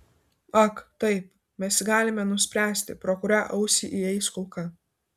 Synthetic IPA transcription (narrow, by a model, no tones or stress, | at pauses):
ɐkt̪ɐɪp | mʲɛsʲɡɑːlʲɪmʲɛnʊsʲpʲɾʲæːsʲt̪ʲɪpɾɔkʊɾʲɛʔɐʊsʲiʔiɛɪskʊlˠkɐ